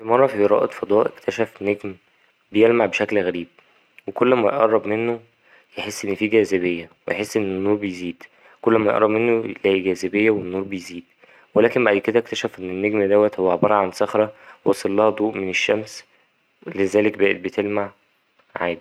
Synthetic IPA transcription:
imɑrˤːɑfieɾˤɑ̰ːʔet̪ˤfɑd̪ˤɑːʔekt̪ʰæʃæfnːeɡm | bejelmaʕbeʃæklɣæɾiːb̚ | wekolːmæj̰ʔɑrˤːɑbmenːo | jeħesːʔenːfiːɡæːzæβejːæwḛjeħesːʔenːenːuːɾˤbejziːd̪ | kolːmæjeʔɑɾˤɑbmenːolæʔiɡæːzebejːæwenːuːɾˤbejziːd̪ | welæːkembæʔæj̪ked̪æʔkt̪æʃæfʔenːenːeɡmd̪æwːæt̪howːaʕbɑɾˤɑʕansɑxɾˤɑwɑsˤɑlːɑhɑd̪ˤuːʔmeneʃːæms | lezæːlekbæːʔet̪̚bet̪elmaʕ | ʕa̰ːd̪i

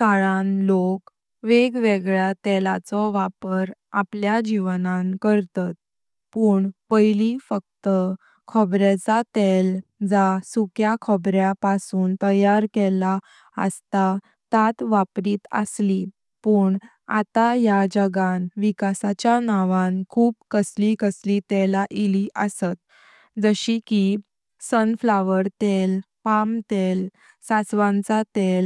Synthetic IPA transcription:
kaɭanlok | ʋeɡʋeɡɭjat̪ɛlat͡sɔʋapəɾ | apljad͡ʑiʋnãnkəɾt̪at̪̚ | puːɳpəjlifək̚t̪ə | kʰɔbɾat͡sat̪ɛld͡zasukjakʰɔbɾjapasuːnt̪əjaɾkɛla | ə̰st̪a | t̪at̪ʋapɾiːt̪ə̰sli | puːɳ | a̰t̪ajad͡ʑəɡanʋikasat͡ɕjanaʋãnkʰuːb̚kəslikəslit̪ɛlaʔiliʔəsət̪̚ | d͡zəɕiki | sənflaʋəɾt̪eɛl | pamt̪ɛl | sat͡sʋãnt͡sat̪ɛl

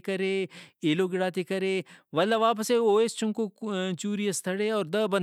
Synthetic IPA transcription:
kɐɾẽːeːloɡɪɽaːt̪ikɐɾeʋɐlːaʋaːp̬əseoːest͡ʃʊ̃ŋkot͡ʃuːɾijəst̪ʰɐɽeɔːɾd̪ɐbɐ̃n

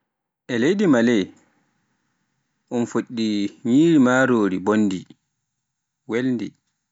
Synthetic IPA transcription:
ʔɛlejdimalɛj | ʔɔnfoɗːiɲiːɾimaːɾoːɾibonːdi | wɛlndi

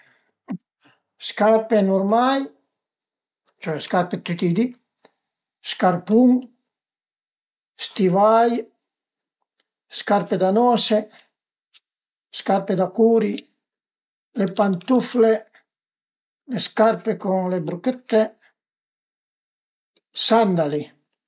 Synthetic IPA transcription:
skarpenurmaj | t͡ʃuɛskarpet̪yt̪id̪i | skarpuŋ | st̪ivaj | skarped̪anɔːse | skarped̪akuːɾi | lepant̪ufle | leskarpekuŋlebɾukɛt̪ːe | sand̪ali

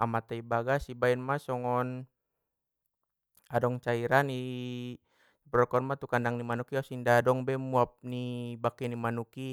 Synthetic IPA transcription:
amat̪aibaɡasibaɛnmasɔŋɔn | adɔŋt͡ʃaiɾani | pɾɔkɔnmat̪ukandaŋnimanukiasindaːdɔŋbɛmuap̚nibakɛnimanuki

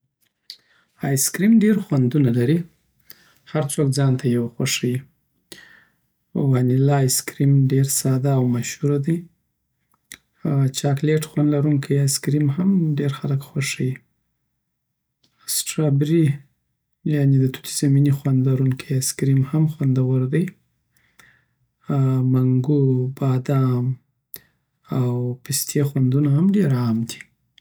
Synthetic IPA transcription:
ɑjskɾimɖeɾxwand̪unalaɾi | haɾt͡sokd͡zɑnt̪ʰajawaxwaʂaji | wɑnilɑjskɾimɖeɾsɑd̪aːwmaʃhuɾad̪aj | haat͡ʃɑkleʈxwand̪laɾuŋkʰajajskɾimhamɖeɾxaləkxwaʂaji | sʈɾabɾi | janed̪ət̪u̥t̪ʰi̥zaminixwand̪laɾuŋkʰajaskɾimhamxwand̪awəɾd̪aj | maŋɡubɑd̪am | awpist̪ʰexwand̪unaɦamɖeɾɑmd̪i̥

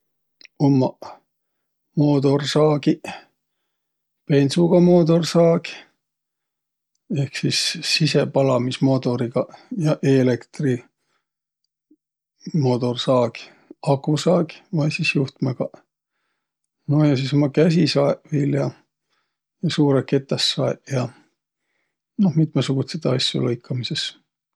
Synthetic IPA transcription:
omːɑ | moːd̪o̞rsɑːɡ̥i | pe̞nsuɡ̥ɑmoːd̪o̞rsɑːɡi | e̞hksisːisepɑlɑmismo̞ːt̪o̞ɾiɡ̥ɑjɑʔelekt̪ri | mo̞ːt̪o̞rsɑːɡ̥ | ɑkusɑːɡmɑjsisjuht̪meɡ̥ɑ | no̞hjɑsisomːɑkæs̬isɑeveːljɑ | jɑsuːɾeke̞t̪ːˑɑsːɑeʔjɑ | no̞hmit̪mɑsuɡ̥ut̪set̪ːɑsʲjṵlɤjkʰːɑmise̞s

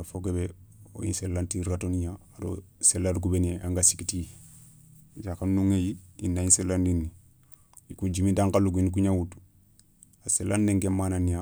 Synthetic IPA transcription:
afokebeo̰ḭnselːantiɾatonijaado̰selːadkubenieʔaŋɡasikiti | d͡ʒakannuŋejiinːaĩnselːandinːi | ikud͡ʒimindaŋkaluɡink̬uɲawut | aselːandeŋɡemananija

